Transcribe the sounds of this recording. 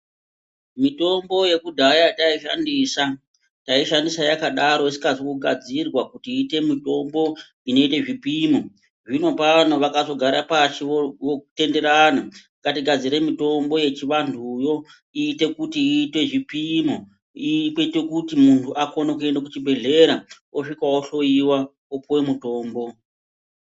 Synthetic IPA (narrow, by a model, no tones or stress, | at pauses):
mito̞mbo̞je̞kudʱajataiʃa̰ndiːsa | taiʃandisajakaɗaɾo̞isi̥kazokuɡʱad͡zirwakutiːte̞mito̞mbo̞ | ino̞ite̞ʐipimo | ʐino̞paano̞ʋakazo̞ɡʱaɾapat͡ʃiote̞nde̞ɾana | katiɡʱad͡ziɾe̞mito̞mbo̞je̞t͡ʃiʋandʰʱujo̞ | iːte̞kutiːte̞ʐipimo | ikete̞kutimuntʰuʔakonokue̞ndak̬ut͡ʃibʱe̞ɮe̞ɾa | oʂikaoɬo̞iwa | opuwe̞muto̞ːmbo̞